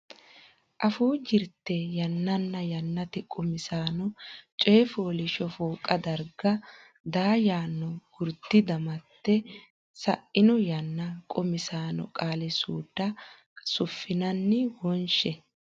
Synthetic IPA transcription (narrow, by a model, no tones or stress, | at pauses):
ʔɐfuːd͡ʒɪɾt̪ːɛjɐnːɐnːɐjɐnːɐt̪ɪkʼɔmɪsaːnɔt͡ʃʼeːfoːlɪʃɔfoːkʼɐd̪ɐɾɡɐ | d̪aːjaːnːɔɡ̥ʊɾd̪ɪd̪ɐmɐt̪ːɛ | sɐʔɪnɔjɐnːɐkʼɔmɪsaːnɔ̰kʼaːlɛsuːd̪ːɐ | sʊfːɪnɐnːɪwɔnʃɛ